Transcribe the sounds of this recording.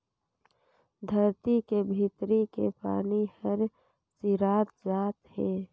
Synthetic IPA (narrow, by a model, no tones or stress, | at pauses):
d̪ʱəɾt̪ikebʱit̪ɾikepa̰ːnihəɾ | siɾaːt̪zaːt̪heː